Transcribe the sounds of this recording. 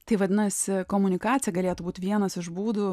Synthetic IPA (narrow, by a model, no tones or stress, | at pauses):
t̪ɐɪʋɐd̪ʲɪnɐsʲɪkomʊnʲɪkɑːt͡s̪ʲjɛɡɐlʲeːt̪ʊbuːt̪ʲʋʲiɛnɐsɪʒbuːd̪uː